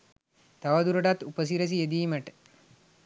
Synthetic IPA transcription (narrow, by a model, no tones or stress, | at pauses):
t̪aʋɐd̪uɾoɖat̪ːupəs̬iɾəs̬ied̪iːməʈə̥